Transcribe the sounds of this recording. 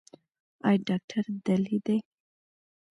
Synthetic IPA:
ɑjɖɑk̚ʈʰaɾd̪alid̪aj

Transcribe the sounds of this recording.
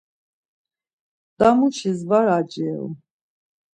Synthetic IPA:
d̪̥amuʃizvaɾad͡ʒɛl

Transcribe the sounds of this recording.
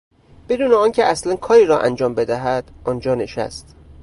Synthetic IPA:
b̥e̞d̪uːneɒːncʰeæslænkʰɒːɾiːɾɒːʔæ̰nd͡ʒɒːmbe̞d̪æɦæd̪̥ɒnd͡ʒɒːne̞ʃæ̰st̪

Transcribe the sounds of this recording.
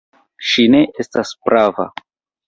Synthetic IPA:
ʃine̞ʔestaspɾʔava̰

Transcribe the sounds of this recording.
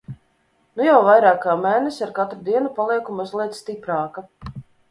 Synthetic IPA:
nujawvajɾaːkaːmɛːnesaɾkat̪ɾud̪iɛnupalˠiɛkumuzlˠisst̪ipɾaːka

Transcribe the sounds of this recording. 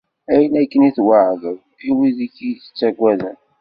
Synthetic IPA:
æjənækːəniθwaʕðəw | iwiðikːiθə̥t͡sːæɡʷæðə̰n

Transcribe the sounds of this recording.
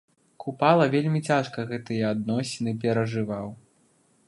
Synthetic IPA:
kʰupalˠɐvʲelʲmʲit͡sʲaʂkɐɣɛt̪ɨjɐad̪nɔsʲinɨp̬ʲɛɾɐʐɨvaw

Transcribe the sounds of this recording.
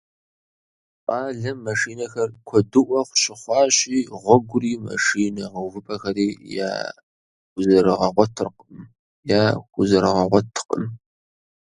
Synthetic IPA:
ʔɑːɮɐmːɐʂiːnɐxɐrkʷʰɔdɨʔʷɔχʷɕɪχʷɑːɕʼiːʁʷɔɡʷʊriːmɐ̰ʂiːnɐʁɐwvɨpʰʼɐxɐɾiːja̰ː | ɡʷʊzɐɾɨʁɐʁʷtʰɨrqəm | jaːkʷʊzɐɾɐʁɐʁʷɔtʰqə̰m

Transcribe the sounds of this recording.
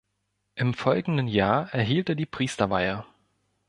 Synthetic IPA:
ʔɪmfɔlɡŋ̩dən̩jaːɐʔɛɐɦiːlteːɐdiːpʁ̥iːstɐva̰ɪə

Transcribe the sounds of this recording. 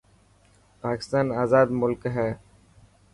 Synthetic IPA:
paːkɪ̥st̪aːnaːzaːd̪mʊlkɦɛː

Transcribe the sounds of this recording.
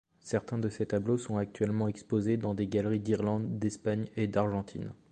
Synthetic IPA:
sɛʁt̪ɛ̃d̪əset̪ablosɔ̃ak̚t̪ɥɛlmɑ̃ɛkspozed̪ɑ̃d̪eɡalʁid̪iʁlɑ̃d̪ːɛspaɲed̪aʁʒɑ̃t̪ʰḭn

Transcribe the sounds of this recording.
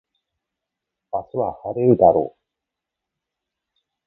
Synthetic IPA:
basɨβahaɾeɾɯ̟d̪aɾo̰ː

